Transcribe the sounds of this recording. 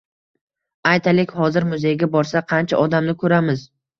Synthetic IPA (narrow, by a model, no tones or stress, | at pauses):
ajt̪ʰalɪkʲhɒzɪɾmʊzejɡʲabɒɾsaqʰɑnt͡ʃʰaʔɒd̪amnɪkʰɵɾamɪz